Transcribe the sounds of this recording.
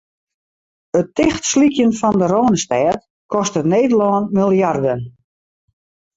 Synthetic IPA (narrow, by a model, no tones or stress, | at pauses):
ətɪxtslikjənfɔndəɾoːnəstɛːt | kʰɔstətneːdəlɔːnmilˠjardən